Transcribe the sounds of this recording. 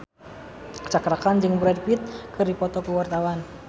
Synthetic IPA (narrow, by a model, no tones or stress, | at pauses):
kə̥t͡ʃakɾakand͡ʒɨŋbuɾadpit̪̚kɨrdipɔt̪ɔkuwart̪awan